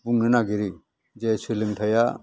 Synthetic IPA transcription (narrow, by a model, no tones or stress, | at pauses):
buŋnɯnaɡiɾi | d͡ʒesʰɯlɯŋtʰaja